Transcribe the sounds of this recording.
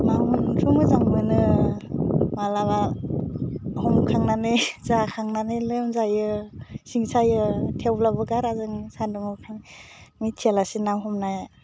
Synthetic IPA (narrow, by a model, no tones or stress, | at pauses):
mauntʰumɯzaŋmɯnɯ | malaβa | hɔmkʰaŋnanɯjzakʰaŋnanɯlɯmzajɯsiŋsajɯtʰewlabɯɡaɾazɯŋsandɔŋɯkʰaŋmitʰielasinawɦɔmnaj